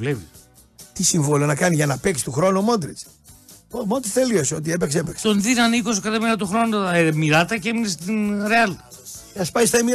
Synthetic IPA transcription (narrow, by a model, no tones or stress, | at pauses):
levḭ | t̪isiɱvolonɐkɐniʝɐnɐpeksi̥t̪uxɾo̞nuomond̪ɾit͡s | omod̪ɾsθelioseo̞t̪iepekseepekset̪onðinɐnikos̬kɐt̪ɐminɐt̪uxɾo̞numiɾɐt̪ɐceminest̪inɾeɐl | ɐspɐist̪ɐimi